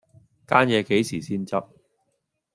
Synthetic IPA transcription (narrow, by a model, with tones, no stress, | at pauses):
kaː˥njɛː˨˧ke˨˥jsiː˨˩siː˥nt͡sɐ˥p̚